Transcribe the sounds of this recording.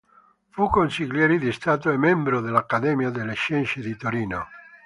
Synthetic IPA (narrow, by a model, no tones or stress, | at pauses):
fukonsiʎjɛːɾid̪ist̪aːt̪̬oemːɛmbɾod̪elakːad̪ɛːmjad̪elːeʃɛnʃed̪it̪oɾiːno̰